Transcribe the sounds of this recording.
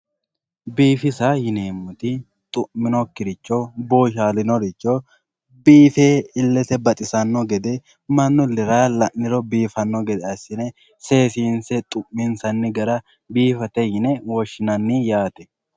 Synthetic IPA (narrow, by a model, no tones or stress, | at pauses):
biːfɪsahɪneːmːʊt̪ɪ | t̪ʼʊmɪnɔkːɪɾɪt͡ʃːoboːʃaːlɪnɔɾɪt͡ʃːo | biːfeːɪlːɛt̪ɛbɐt̪ʼɪsɐnːɔɡɛd̪ɛ | mɐnːʊlɪɾaːlɐʔnːɪɾɔbiːfɐnːɔɡɛd̪ɛɐsɪnɛ | se̞ːsiːnsɛt̪ʼʊʔmɪnsɐnːɪɡɐɾɐ | biːfɐt̪ɛhɪnɛwɔʃːɪnɐnːijaːt̪ɛ̥